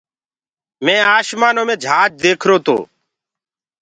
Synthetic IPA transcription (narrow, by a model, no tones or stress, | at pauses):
mẽːaːʃmaːnõːmẽːd͡ʒʱaːt͡ʃ̚d̪eːkʰɾoːt̪ʰo̰ː